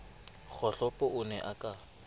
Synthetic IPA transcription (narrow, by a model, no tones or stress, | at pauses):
k͡xʰɔɬɔpʼɔʔʊnɛʔakʼa